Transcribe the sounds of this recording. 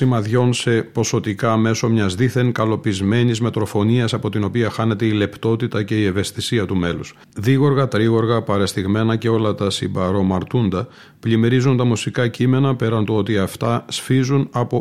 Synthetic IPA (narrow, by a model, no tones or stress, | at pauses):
simɐðʝo̞nse̞po̞so̞t̪ikɐme̞so̞mɲɐzðiθe̞nkɐlo̞pizme̞nizme̞t̪ɾo̞fo̞niɐsɐpo̞t̪ino̞piɐxɐne̞t̪e̞ile̞pt̪o̞t̪it̪ɐce̞ie̞ve̞st̪isiɐt̪ume̞lus | ðiɣo̞ɾɣɐt̪ɾiɣo̞ɾɣɐpɐɾest̪iɣme̞nɐce̞o̞lɐt̪ɐsimbɐɾo̞mɐɾt̪und̪ɐ | plime̞ɾizunt̪ɐmusikɐcime̞nɐpe̞ɾɐnt̪oo̞t̪iɐft̪ɐsfizunɐpo